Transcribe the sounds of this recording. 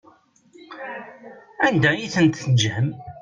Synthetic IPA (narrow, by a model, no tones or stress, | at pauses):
ænd̪æjiθənt̪nəʒhəm